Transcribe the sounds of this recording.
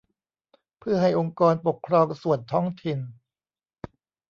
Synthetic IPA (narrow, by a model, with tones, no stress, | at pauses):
pʰɯ˥˩ɐɦa˥˩jʔo˧ŋkɔː˧npo˨˩kʰɾɔː˧ŋsu˨˩ənt̪ʰɔː˦˥ŋt̪ʰi˨n